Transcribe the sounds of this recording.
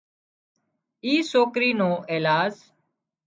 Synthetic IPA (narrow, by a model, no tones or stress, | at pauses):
iːsoːkɾiːnõːʔeːlaːz